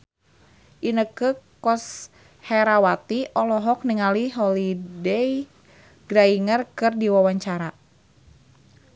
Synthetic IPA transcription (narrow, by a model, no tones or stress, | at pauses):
ʔinəkəkɔs | hɛɾawat̪iʔɔlɔɦɔk̚niŋaliɦɔlidɛj | ɡ̥ɾaiŋərkɨrdiwawaɲt͡ʃaɾa